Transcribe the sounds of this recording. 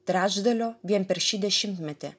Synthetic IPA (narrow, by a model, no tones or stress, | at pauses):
t̪ɾʲæːʒd̪ɐlʲoːʋʲiɛnpʲɛɾʃʲiːd̪ʲɛʃʲɪmt̪mʲɛt̪ʲɪ̰